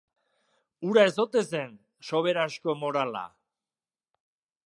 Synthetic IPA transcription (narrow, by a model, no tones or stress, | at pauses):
uɾaezot̪esen | so̞βe̞ɾasko̞mo̞ɾala̰